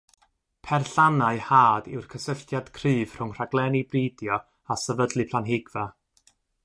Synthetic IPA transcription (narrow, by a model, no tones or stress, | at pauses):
pʰɛrɬanaɨhaːdɪwrkʰəsəɬtjad̥kʰrɨːv̥r̥ʊŋr̥aɡlˠɛnibriːdjɔ | asəvədlˠɨpʰlˠanɦɪɡva